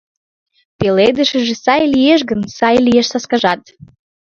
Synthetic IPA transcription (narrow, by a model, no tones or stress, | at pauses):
peled̪əʃə̆ʒesɑjlieʃ̬ɡənsɑjlijeʃsɑskɑʒɑt̪